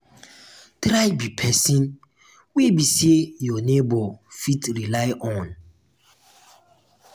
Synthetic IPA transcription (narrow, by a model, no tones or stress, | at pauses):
tɾajbipʰɛsĩn | webisejɔnebɔfitɾilaɪʔɔ̃n